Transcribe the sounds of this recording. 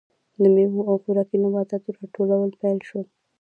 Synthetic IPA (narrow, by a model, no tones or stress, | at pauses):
d̪əmeɦuawxuɾɑkinabɑd̪at̪oɾɑʈolawəlpɛjlʃwəl